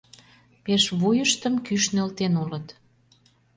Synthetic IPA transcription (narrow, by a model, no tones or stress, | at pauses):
peʃβujəʃt̪əmkyʃnølt̪enulət̪